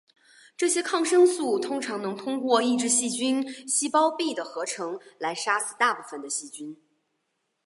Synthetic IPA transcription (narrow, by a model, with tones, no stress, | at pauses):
ʈ͡ʂɤ˥˩ɕjɛ˥kʰɑ˥˩ŋʂɤ˥ŋsu˥˩t̪ʰʊ˥ŋʈ͡ʂʰɑ˧˥ŋnɤ˧˥ŋt̪ʰʊ˥ŋkwɔ˥˧i˥˧ʈ͡ʂɻ̩˥˧ɕi˥˩t͡ɕy˥nɕi˥pɑ˥ʊpi˥˩d̪ə˩xɤ˧˥ʈ͡ʂʰɤ˧˥ŋla˧˥ɪʂa˥sɹ̩˥˩t̪a˥˧pu˥˩fə˨˩nd̪ə˩ɕi˥˩t͡ɕy˥n